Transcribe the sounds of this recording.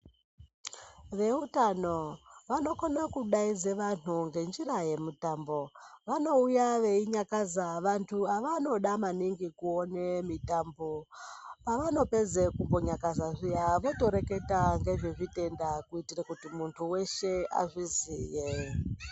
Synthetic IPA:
ʋe̞utano̞ʋano̞konakuɗaid͡zeʋan̤uŋɡe̞nd͡ʒiraje̞mitambo̞ʋano̞ujaʋe̞iɲakazaʋantʰuaʋano̞ɗamaniŋɡikuonemitambopaʋano̞pe̞d͡zekumbo̞ɲakazaʐiaʋoto̞ɾe̞ke̞taŋɡe̞ʐeʐite̞ndakuitirakutimuntʰuwe̞ʃe̞a̰ʐiziːje

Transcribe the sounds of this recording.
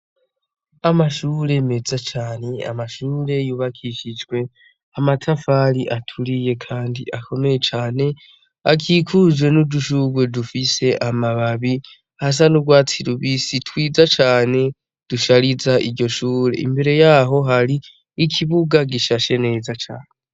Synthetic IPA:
amaʃuːɾe̞me̞zat͡ʃaːne̞a̰maʃuːɾe̞juːβakʰiʃid͡ʒɡwe̞ | amatʰafaɾiʔatʰuɾije̞kʰaːndiʔakʰo̞me̞je̞t͡ʃaːne̞ | akʰikʰuzwe̞nuduʃuɡwe̞dufise̞ʔamaβaβi | has̬anubɡwaːt͡siɾuβisitʰwiːzat͡ʃaːne̞ | d̥uʃaɾizaʔiɾɟo̞ʃuːɾe̞̰ḭmbe̞ɾe̞jaɦo̞ɦaɾiː | kʰiβuɡaɡiʃaʃe̞ne̞ːzat͡ʃa̰ːne

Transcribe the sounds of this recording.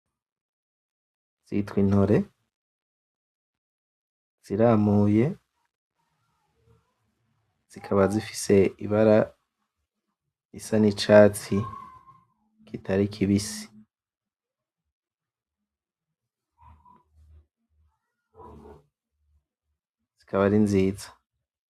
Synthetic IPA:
z̥ḭtwin̥ho̞ɾe̞ | z̥iɾaːmuːje̞ | z̥ikʰaβazifi̥se̞ḭβaɾa | isanit͡ʃaːt͡si | kitʰaɾikʰiβisi̥ | z̥ikʰaβaɾinziːzḁ

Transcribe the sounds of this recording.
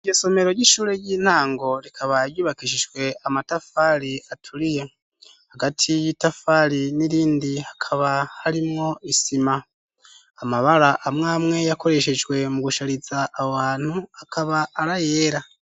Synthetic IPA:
iɡiso̞me̞ɾo̞ɾɟiʃuːɾe̞jiːn̥haːŋɡo̞ɾikʰaβaɾjuːβakiʃid͡ʒɡwe̞amatafaɾiatʰuɾije̞ | haɡatʰijitafaːɾiniɾiːndihḁkʰaβahaɾimŋo̞ʔisimaː | maβaɾaʔːmŋaːmŋe̞jako̞ɾe̞ʃe̞d͡ʒɡwe̞muɡuʃaɾizaʔːwaːn̥huakʰaβaʔːɾajeːɾa

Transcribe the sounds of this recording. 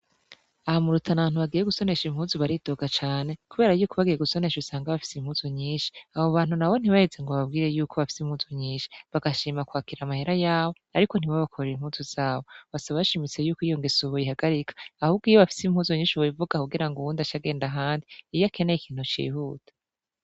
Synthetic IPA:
ahamuɾutʰanaβaːnhuβaɡije̞ɡuso̞ne̞ʃim̥huːzuβaɾidoɡat͡ʃaːne̞kuβeːɾajuːkʰoβaɡije̞ɡuso̞ne̞ʃusaːŋɡaβafi̥simhuːzoɲiːʃi̥aβo̞βaːn̥hunawo̞n̥iβaheze̞ŋɡoβaβ̚ɡiːɾe̞juːkʰo̞βafi̥sim̥huːzoɲiːnʃi̥βaɡaʃiːmakwaːkiɾamaheɾajaːβoaɾiko̞n̥iβaβakʰoɾeɾimhuːzuz̥aːβo̞βasaβaβaʃimit͡se̞juːkijo̞ŋɡesuβojiɦaɡaɾikʰḁːhubɡijoβafi̥sim̥huːzoɲiːʃiβoivuɡakuɡiɾaŋɡouːndaʃaɡe̞ːndaɦaːndiːjakʰe̞neikʰiːn̥hut͡ʃḭːhuːtʰḁ

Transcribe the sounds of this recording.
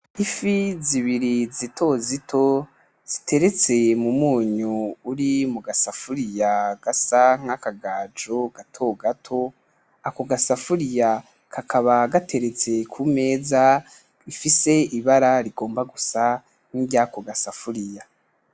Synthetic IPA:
ifiziβiɾizitʰo̞zitʰo̞ | z̥itʰe̞ɾe̞t͡se̞mumuːɲuːɾimuɡasafuɾijaɡ̥asaŋ̥akaɡaːd͡ʒo̞ɡ̥atʰo̞ɡatʰo̞ | akoɡasafuɾija | kʰakʰaβaɡatʰe̞ɾe̞t͡se̞kʰume̞ːza | ifise̞iβaɾaɾiɡo̞ːmbaɡusa | ŋ̥iɡjakoɡasafuɾija

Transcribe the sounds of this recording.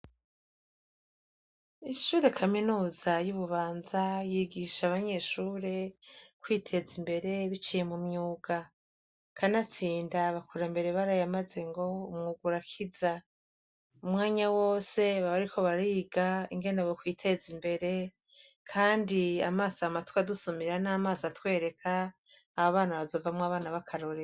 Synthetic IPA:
iʃuːɾe̞kʰaminuːzajuβuβaːnzajiɡiʃaːβaɲe̞ʃuːɾe̞kwiːtʰe̞zimbe̞ɾe̞βit͡ʃije̞mumɲuːɡ̥a | kʰanat͡siːndaβakuɾambe̞ɾe̞βaɾajamaze̞ŋɡo̞umŋuɡuɾakʰiza | umŋaːɲawo̞ːse̞βaβaɾikʰo̞βaɾiːɡaiŋɡe̞newokwiːtʰe̞zimbe̞ɾe̞ | kʰaːndia̰maːsamatwadusomiɾanaːmaːsatwe̞ːɾe̞kʰaː | βoβaːnaβazo̞ːvamwaβaːnaβakʰaɾo̞ɾe

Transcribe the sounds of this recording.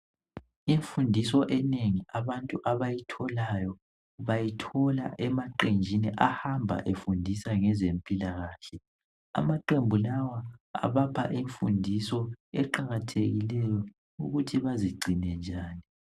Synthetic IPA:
iɱfundʱisɔʔɛneŋiʔaβantʼuʔaβajitʰɔlajɔ | βajitʰɔla̰ʔɛmaǃend͡ʒʱiniʔahambʱa̰ʔefundʱisaŋɛzempʼilaɣaːɬɛ | a̰maǃembʱulawaa̰βapʰaʔiɱfṵndʱisɔɛǃaɣatʰeɣilɛjɔ | ṵɣutʰiβaziɡ͡ǀʱinɛnd͡ʒʱaːni

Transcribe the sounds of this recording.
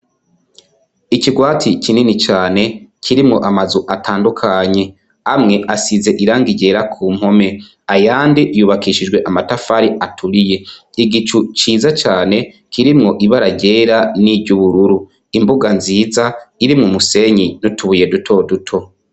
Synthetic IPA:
iciɡwaːtʰicininit͡ʃaːne̞kʰiɾimŋo̞ʔamazuʔatʰaːndukʰaɲe̞ | amŋe̞ʔasize̞ʔiɾaːŋɡiɟe̞ɾakʰuːm̥ho̞me̞ | ajaːndijuːβakiʃid͡ʒɡwe̞ʔamatafaɾiʔatʰuɾije̞iɡit͡ʃut͡ʃiːzat͡ʃaːne̞ | kʰiɾimŋo̞ʔiβaɾaɟe̞ːɾaniɟuβuɾuɾu | imbuɡanziːzaiɾimŋomuse̞ɲinutuβuje̞dutʰo̞dutʰo̞

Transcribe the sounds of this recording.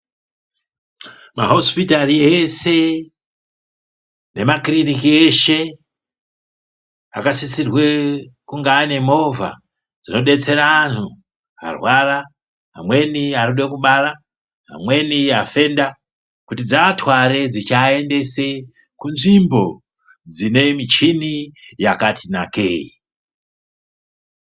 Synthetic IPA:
ma̰ɦo̞spitariese̞ | ne̞makirinikie̞ʃe̞ | a̰kasit͡sirwe̞kuŋɡaːne̞mo̞va̰ | d͡zino̞ɗe̞t͡se̞ɾaːn̤u | a̰rwara | a̰mwe̞niaɾuɗekuɓara | ɦa̰mwe̞niafe̞nda | kutid͡zatʰwaɾe̞d͡zit͡ʃae̞nde̞se | kunʐimbo̞ | d͡zine̞mit͡ʃinijakatʰinakḛḭ

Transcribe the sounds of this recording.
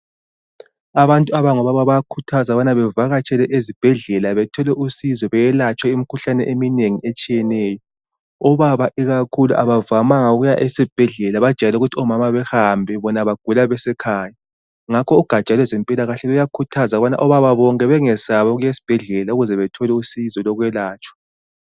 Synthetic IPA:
aβantʼuaβaŋɔβaβaβajakʰutʰazaβanaβɛvaɣat͡ʃʼɛlɛʔezib̥ʱɛɮɛlaβɛtʰɔlɛʔusizɔβɛjɛlat͡ʃʼwaimikʰuɬanɛʔemineŋiet͡ʃʼijɛnɛːjɔ | ɔβaβaʔiɣakʰuluʔa̰βavamaŋauɣujaʔesib̥ʱɛɮɛlaβḁʒ̥ʱʼalɛuɣutʰiɔmamaβɛhambʱɛβɔnaβaɡ̥ʱulaβɛsɛkʰaːja | ŋakʰɔuɡ̥ʱḁt͡ʃʼalwɛzempʼilaɣaɬɛβɛjakʰutʰazaɣβana̰ʔɔβaβaβɔŋkʼɛβɛŋɛsaβɔɣujesi̥b̥ʱɛɮɛlauɣuzɛβɛtʰɔlɛusizɔlɔɣwɛlaːt͡ʃʼwḁ

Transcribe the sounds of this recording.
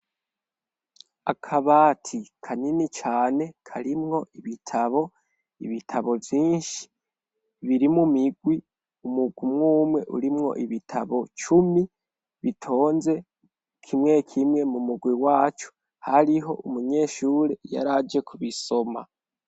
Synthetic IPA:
akʰaβatʰikʰaninit͡ʃaːne̞kʰaɾimŋo̞ʔiβitʰaβo̞ | ḭβitʰaβo̞vjiːnʃi̥ | βiɾimumiɡwi | umuɡwimŋuːmwe̞ʔṵɾimŋo̞̰ʔiβitʰa̰βo̞t͡ʃumi | βitʰo̞ːnze̞ | kʰimŋe̞kʰimŋe̞mumuɡwiwaːt͡ʃo̥ | haɾiɦo̞ʔumuɲe̞ːʃuːɾeja̰ɾad͡ʒe̞kʰuβiso̞ma̰

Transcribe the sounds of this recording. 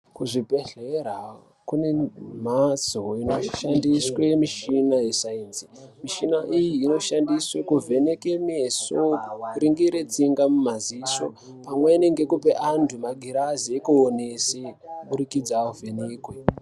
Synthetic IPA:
kuʐipe̞ɬeɾa | kune̞m̤asoinoʃandiswe̞miʃinajesainzimiʃinaʔijiːno̞ʃandiswekuvʱe̞ne̞ke̞ne̞so̞kuɾiŋɡiɾed͡ziŋɡamumaziso̞̰ | pamwene̞ŋɡe̞kupe̞ʔandʰumaɡʱiɾaziekuːne̞seɓuɾikid͡zaovʱe̞neːkwe

